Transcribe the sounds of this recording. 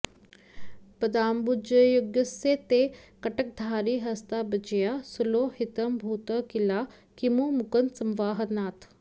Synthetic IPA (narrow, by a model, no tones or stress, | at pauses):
pɐd̪aːmbud͡ʒɐjoɡjəseːt̪ekɐʈək̚d̪ʱaːɾiːɦɐst̪abɐt͡ʃijaːsuloːhit̪əmbʱuːt̪əkilaː | kimoːmʊkənsɐmʋaːɦɐnaːt̪ʰ